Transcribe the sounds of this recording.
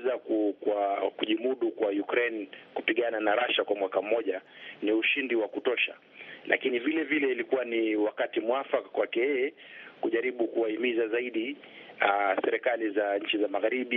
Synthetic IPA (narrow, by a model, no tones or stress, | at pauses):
zakukwakuʄimuɗukwajukɾɛnkupiɠananaɾaʃakwamwakam̩ːɔʄaniuʃindiwakutɔʃa̰ | lʔa̰kinivilɛvilɛilikuwaniwakatimwafakakwakɛjɛɛ | kuʄaɾiɓukuwaimizazaiɗi | asɛɾɛkalizaɲ̩t͡ʃizamaɣaɾiɓi